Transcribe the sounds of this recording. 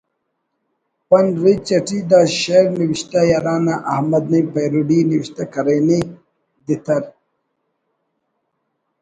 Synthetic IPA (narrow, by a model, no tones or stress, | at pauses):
pɐnɾit͡ɕɐʈid̪aːɕeɾniwiɕt̪ajaɾaːnaʔɐhmɐd̪̚nijpɐjɾuɖiniwiɕt̪akɐɾɐjne | d̪it̪ʰɐɾ